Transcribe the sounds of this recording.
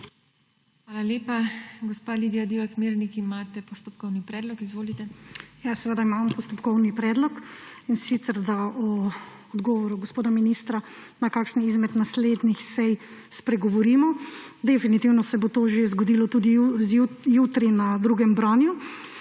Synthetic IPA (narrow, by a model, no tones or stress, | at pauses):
xʋaːlaleːpaɡɔspalid̪ijad̪iakmeːɾnikimat̪ɛpɔst̪ɔpkɔwnipɾɛːd̪lɔkizʋoːlit̪ɛjasɛʋəd̪aimaːmɔpɔst̪ɔpkɔwnipɾɛːd̪lɔkinsit̪sɛɾd̪aɔːd̪ɡɔːʋɔɾuɡospoːd̪aminist̪ɾanakaːkʃniizmɛt̪nasled̪nixsɛjspɾɛɡɔʋɔɾiːmɔd̪ɛfinit̪iwnɔsɛbot̪oʒezɡod̪iːlɔt̪ud̪izjut̪ɾinad̪ɾuːɡɛmbɾanju